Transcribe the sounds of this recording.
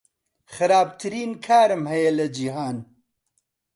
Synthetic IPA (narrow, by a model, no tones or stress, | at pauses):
xɨɾaːb̚t̪ʰɨɾiːnkʰaːɾɨmhɐjelɐd͡ʒiɦaːn